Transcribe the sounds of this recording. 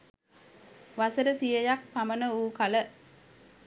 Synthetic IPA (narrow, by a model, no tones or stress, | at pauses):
ʋasəɾəsijəjak̚pamənəuːkalə